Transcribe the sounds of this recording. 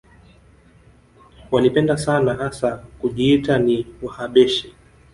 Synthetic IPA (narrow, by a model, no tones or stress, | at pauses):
walipɛndasanahasakuʄiːtaniwahaɓɛʃi